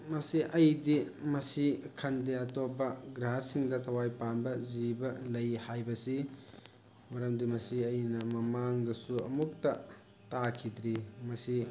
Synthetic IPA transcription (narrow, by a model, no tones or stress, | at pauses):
mɐsiʔɐjdimɐsikʰɐndeɐtopːɐɡɾaɦɐsiŋdɐtʰɐwajpanbɐzibɐlɐjhajbɐsi | mɐɾɐmdimɐsiɐjnɐmɐmaŋdɐsuɐ̰muk̚tɐ | takʰidɾimɐsi